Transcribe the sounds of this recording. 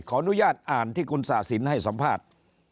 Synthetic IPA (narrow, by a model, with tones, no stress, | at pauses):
kʰɔː˩˦˥ʔu˦˥jaː˥˩t̪̚ʔaː˨˩nt̪ʰiː˥˩kʰu˧nsa˨˩t̚si˩˦nha˥˩jsa˨˦mpʰaː˥˩t̪̚